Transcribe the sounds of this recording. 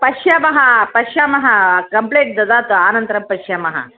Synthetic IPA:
pɐɕjaːmɐɦɐpɐɕjaːmɐɦɐkɐmpleːʈ̚d̪ɐd̪aːt̪oaːnɐnt̪ɾɐmpɐɕjamɐɦɐ̰

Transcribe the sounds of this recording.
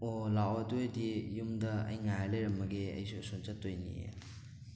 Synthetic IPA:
olawadojdijumdɐɐ̰jŋajalejɾɐmːɐɡeɐ̰jsusunt͡ʃɐtːojnḭḛ

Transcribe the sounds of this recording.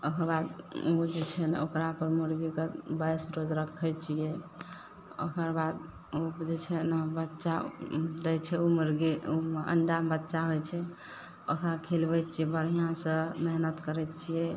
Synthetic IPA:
okəɾbad̪ud͡ʒet͡ʃʰɛnokɾapəɾmuɾɡikebajsɾod͡ʒɾəkʰːɛt͡ʃʰijɛ | o̰kəɾbad̪ | od͡ʒet͡ʃʰɛnbətːʃad̪ɛjt͡ʃʰɛumɾɡiuə̰ɳɖabətːʃaɦojt͡ʃʰɛ | okɾakʰelbɛt͡ʃʰijɛbəɾ̤ijãsə̃meɦnət̪kəɾɛt͡ʃʰijɛ

